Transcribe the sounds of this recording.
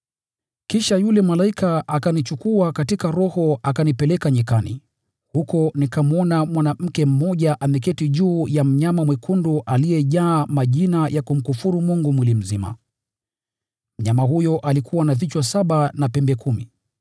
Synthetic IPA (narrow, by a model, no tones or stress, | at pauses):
kiʃajulɛmalaikaʔakanit͡ʃukuakatikaɾɔhɔakanipɛlɛkaɲikanḭ | hukɔnikamuɔnamwanam̩kɛm̩mɔʄaʔamɛkɛtiʄuːjam̩ɲamamwɛkʰunduʔalijɛʄaːmaʄinajʔakum̩kufuɾumuŋɡumwilim̩zima̰ | m̩ɲamaɦujɔʔalikʰuwanavit͡ʃwasaɓanapɛmbɛkʰumḭ